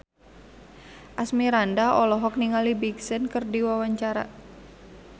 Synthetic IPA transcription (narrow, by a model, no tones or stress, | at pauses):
ʔasmiɾandaɔlɔɦɔk̚niŋalibiɡsənkərdiwawaɲt͡ʃaɾa̰